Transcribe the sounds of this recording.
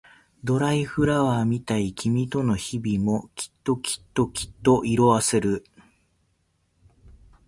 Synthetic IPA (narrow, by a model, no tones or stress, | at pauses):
d̪o̞ɾaiɸɯ̟ɾaβamʲit̪aikʲimʲit̪o̞no̞çibʲimo̞kʲʰi̥t̪ːo̞kʲʰi̥t̪ːo̞kʲi̥t̪ːo̞ʔiɾo̞βaseɾɯ̟